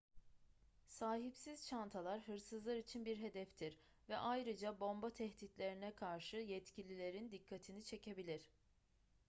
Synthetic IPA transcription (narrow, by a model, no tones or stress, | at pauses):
saːɦipsizt͡ʃʰant̪ʰalˠaɾɦɯɾsɯzlˠaɾit͡ʃʰinbiɾɦe̞d̪ɛft̪ʰiɾ | vɛʔajɾɯd͡ʒabo̞mbat̪ʰɛht̪it̪lʲe̞ɾinɛkʰaɾʃɯjɛt̪cʰilʲilʲe̞ɾind̪ikʰːat̪ʰinit͡ʃʰe̞cʰe̞bilʲiɾ̝̥